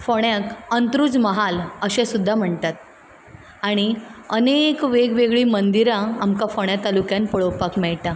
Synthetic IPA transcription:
foɳjakənt̪ɾuːd͡zməɦaləɕɛ̃sud̪ʱːam̤əɳt̪at̪̚ | aɽ̃iənekʋeɡʋeɡɭiːmənd̪iɾãamkãfoɳ̃jat̪alukjãnpəɭowpakmɛɭʈ̪ã

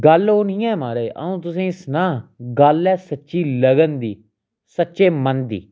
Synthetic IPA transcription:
ɡəloːnĩːɛːmaːɾeːʔə̰ũːt̪̬ʊsĩːsnaːɡəlɛːsətːʃiːləɡənd̪iː | sətːʃeːmənd̪ḭː

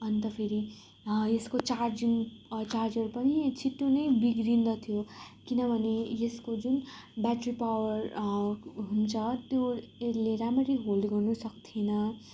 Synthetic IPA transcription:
ʌnit̪ʌpʰeɾi | jeskot͡sard͡ziŋt͡sard͡zʌrpʌnit͡sʰit̪jonʌjbiɡɾind̪ʌt̪ʰijokinʌbʱʌnejeskod͡zunbaʈripawʌr | ɦunt͡sʰʌt̪joeleɾamʌɾiɦoldɡʌrnusʌkt̪ʰienʌ

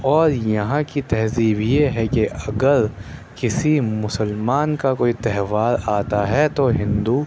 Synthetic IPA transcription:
ɔːɾjɐɦãkit̪ɛɦziːbjeɦɛkeʔɐɡəɾkɪsimʊsəlmaːnkakoːit̪ɛɦʋaːɾaːt̪aɦɛt̪oɦɪ̃nd̪u

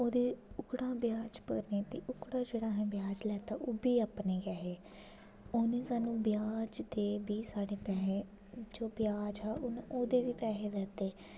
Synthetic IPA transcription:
oːd̪eːʊkɽãːbɪjaːd͡ʒpəɾneːt̪ḛːʔʊkɽaːd͡ʒeːɽaːɦɛ̃ːbjaːd͡ʒlɛːt̪aːʔoːbiːaːpneːɡɛɦeː | oːnẽːsaːnũːbɪjaːd͡ʒd̪eːbiːsaːɽeːpɛːɦeː | d͡ʒoːbɪjaːd͡ʒaːʔʊnʔoːd̪eːʋiːpɛːɦeːd̪ɛːt̪eː

